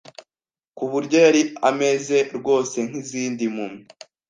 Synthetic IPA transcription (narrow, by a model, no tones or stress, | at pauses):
kuβuɾɟeɾiame̞ze̞ɾɡo̞ːse̞ŋ̥hiziːndimumŋi